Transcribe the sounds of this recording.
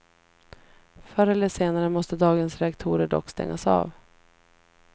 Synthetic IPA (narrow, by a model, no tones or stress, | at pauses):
fœɾɛləʂeːnaɾəmɔst̪əd̪ɑːɡənsɾɛakt̪ʰuːɾəɖɔ̰kːst̪ɛ̰ŋːa̰sɑ̰ːv